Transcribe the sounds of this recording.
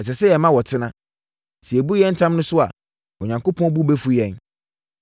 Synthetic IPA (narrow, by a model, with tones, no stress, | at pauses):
ɛ˨s̬ɛ˨sɛ˦jɛ˨mã˦wɔ˨tʰɪ˦nã˦ | si˨ɛ˨bu˦jɛ̃˦n̩˦tʰã˦mnʊ̃˦sʊ˦a̰˨ | ɔ˨ɲã˨ŋko˦pʰɔ̃˦bu˦bɛ˦fu˦jɛ̃˦˨n